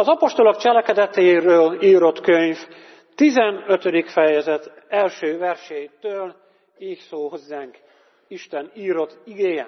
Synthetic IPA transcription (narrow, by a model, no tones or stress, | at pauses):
ɒzɒpo̞ʃt̪o̞lo̞kt͡ʃɛlɛkɛd̪ɛt̪eiɾøːliːɾo̞t̪køɲf | t̪izɛnøt̪ød̪ikfɛjɛzɛt̪ | ɛlʃøːvɛrʃɛjt̪øːl | iːçsoːɦo̞zːaːŋk | iʃt̪ɛniːɾo̞t̪ːiɡeːjɛ